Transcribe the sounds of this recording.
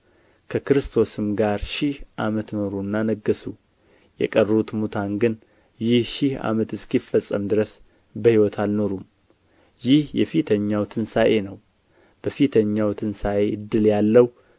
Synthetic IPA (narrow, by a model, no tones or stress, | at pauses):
kʰəkɾɨst̪ʰo̞sɨmɡaɾʃɪhʔamət̪no̞ɾunːanəɡːəsu | jɛ̰kʼərːəut̪mut̪ʰanɡɨn | jɪhʃɪha̰mət̪ɨskifːəsʼːəmd̪ɨɾəs | bəhiwɔt̪ʰalno̞ɾum | jɪhjɛfit̪ʰəɲːawt̪ʰɨnsaʔe̞nəw | b̥əfit̪ʰəɲːawt̪ʰɨnsaʔeɨd̪ːɨljalːəw